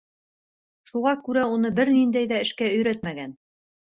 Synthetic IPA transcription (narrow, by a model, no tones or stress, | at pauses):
ʃuʁɑkʉɾæunɤbɘɾnind̪æjðæɘ̆ʃkæɵ̆jɾæt̪mæɡæn